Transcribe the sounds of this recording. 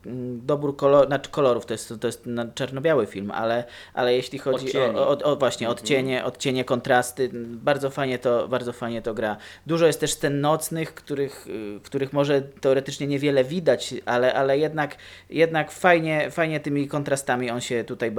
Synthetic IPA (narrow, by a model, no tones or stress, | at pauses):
d̪ɔbuɾkɔlɔnḁkɔlɔɾuft̪ɔjɛst̪t̪ɔjɛst̪nat͡ʂaɾnɔbʲjawɘfʲilma̰lɛ | ʔa̰lɛjeɕlʲixɔd͡ʑiɔɔvwaɕɲɛɔt̪t͡ɕeɲɛʔɔt̪̚t͡ɕeɲɛkɔnt̪ɾast̪ɘbaɾdzɔfajɲɛt̪ɔbaɾd̪zɔfajɲɛt̪ɔɡɾad̪uʐɔjɛst̪ːɛʂst̪ɛnːɔt̪snɘxkt̪uɾɘxkt̪uɾɘxmɔʐɛt̪ɛɔɾɛt̪ɘt͡ʂɲɛɲɛvʲjɛlɛvʲid̪at͡ɕʔalɛʔalɛjɛd̪nak | jɛd̪nakfajɲɛfajɲɛt̪ɘmʲikɔnt̪ɾast̪amʲiɔnɕɛt̪ut̪ajb